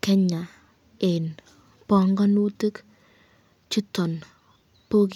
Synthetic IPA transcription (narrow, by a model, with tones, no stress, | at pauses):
kɛ˦ɲa˨ | e˨n | pɔ˨ŋɡɔ˦nu˦te˦k | t͡ʃi˦tɔ˨n | po˦k